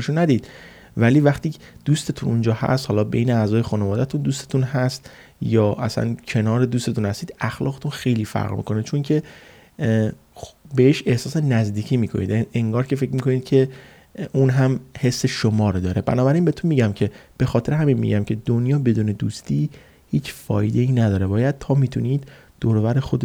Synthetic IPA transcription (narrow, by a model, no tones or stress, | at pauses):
eʃunæd̪iːd̪̥ | væliːvæχt̪iːd̪̥uːst̪e̞t̪ʰunund͡ʒɒːhæ̰st̪hɒːlɒːbejneæzɒːje̞xuːnevɒːd̪æt̪ʰund̪uːst̪e̞t̪unhæst̪ | jɒːʔæ̰sæ̰ncʰenɒːɾed̪uːst̪et̪unhæst̪iːd̪æxlɒ̰ːɣet̪ʰunxe̞jliːfæ̰ɾʁmḭkʰo̞net͡ʃʰoŋcʰe̞ | beeʃe̞hsɒːse̞næzd̪iːcʰiːmiːkʰo̞̰nḭːd̪eŋɡɒːɾcʲʰefecmiko̞niːd̪̚cʰe̞ | uːnɦæmhe̞sːe̞ʃomɒːɾd̪ɒːɾe̞bæ̰nɒːbæɾiːnbet̪ʰunmiːɟæmcʰeb̥e̞xɒːt̪ʰe̞ɾeɦæminmḭɟæmcʰe̞d̪onjɒːbe̞d̪uːne̞d̪ust̪iː | hiːt͡ʃfɒ̰ːjd̪e̞iːnæd̪ɒːɾe̞bɒːjæd̪̥̚t̪ʰɒːmiːt̪ʰuniːd̪̥ː | oːɾovæɾexod̪e